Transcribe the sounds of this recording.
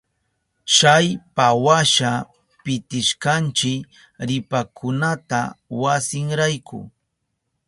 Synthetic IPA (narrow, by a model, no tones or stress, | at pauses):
t͡ʃajpawaʃa | pɪt̪ɪʃkant͡ʃɪk | ɾɪpakʰʊnat̪a̰wasɪŋɾajkʰʊ̰